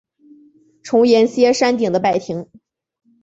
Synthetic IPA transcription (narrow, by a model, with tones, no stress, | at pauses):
ʈ͡ʂʰʊ˧˥ŋjɛ˧˥nɕjɛ˥ʂa˥nt̪i˨˩ŋd̪ə˦pa˥˩ɪt̪ʰi˧˥ŋ